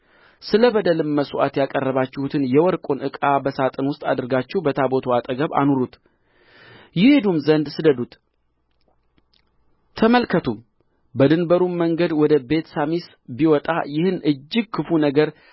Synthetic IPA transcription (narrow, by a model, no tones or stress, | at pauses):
sɨləbəd̪əlɨmːəsuʔa̰t̪jakʼərːəβat͡ʃːɪhut̪ʰɨnjɛwɔɾkʼonʔɨkʼabəsat̪ʼɨnwʊst̪ʼa̰d̪ɨɾɡat͡ʃːɛhbət̪ʰabo̞t̪ʰoat̪ʼəɡəβa̰nuɾut̪ | jɪhe̞d̪umzənd̪sɨd̪əd̪ut̪ | t̪ʰːəməlkʰət̪ʰum | bəd̪ɨnbəɾumməŋɡəd̪wɔd̪əbe̞t̪samis | biwɔt̪ʼa̰jɪhɨnʔɨd͡ʒːɪɡ̚kʰːɨfunəɡəɾ